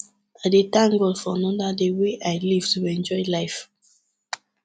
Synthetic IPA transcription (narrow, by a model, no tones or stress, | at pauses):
adetãŋɡolfɔnɔ̃ndadeweʔaɪliv̥tuɛ̃nd͡ʒɔɪlaɪf